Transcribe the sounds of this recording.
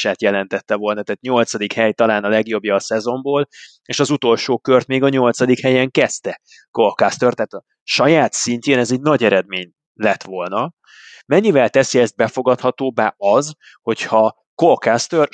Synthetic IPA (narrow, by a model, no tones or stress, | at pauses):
ʃaːt̪jɛlɛnt̪ɛt̪ːɛvo̞lnɒt̪ɛːt̪ɲo̞lt̪sɒd̪ikhɛjt̪ɒlaːnɒlɛɡjo̞bjɒːsɛzo̞mboːl | eːʃɒzut̪o̞lʃoːkørt̪meːɡɒɲo̞lt̪sɒd̪ikhɛjɛŋkɛst̪ɛ | ko̞lkast̪ørt̪æːt̪ɒ | ʃɒjaːt̪siɲceːnɛzɛɟnɒɟɛɾɛd̪meːɲ | lɛt̪ʋo̞lnɒ | mɛɲːivɛlt̪ɛsiɛzt̪̚bɛfo̞ɡɒt̪hɒt̪oːbaːɒz | ho̞chɒ | kolkast̪ør